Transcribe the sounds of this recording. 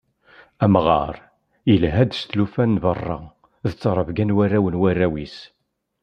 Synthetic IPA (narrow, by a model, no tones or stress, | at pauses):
æmʁɑ̰ɾˤ | jəlɦæd̪st̪lufænːvərˤːɑ̰ | ðət͡sːəɾˤəvɡænwærːæwənwærːæwis